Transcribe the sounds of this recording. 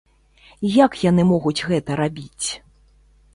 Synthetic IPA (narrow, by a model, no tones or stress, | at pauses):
jakjan̪ɨmɔɣut͡sʲɣɛt̪ɐɾabʲit͡sʲ